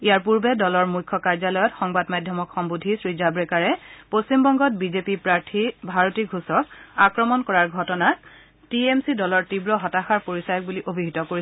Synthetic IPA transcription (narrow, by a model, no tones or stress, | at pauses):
ijaɹp̬uɹbɛdɔlɔɹmujkʰːɔkaɹzalɔjɔtxɔŋbadmajdʱjɔmɔkxɔmbudʱisɹizabɹekaɹɛpostimbɔŋɡɔt̚bizepipɹaɹtʰibʱaɹotiɡʱusɔk̚akɹɔmɔnkɔɹaɹɡʱɔtɔna | tiemsidɔlɔɹtibɹɔɦɔtaxaɹpoɹisajɔk̚buliʔobʱiɦitɔkoɹi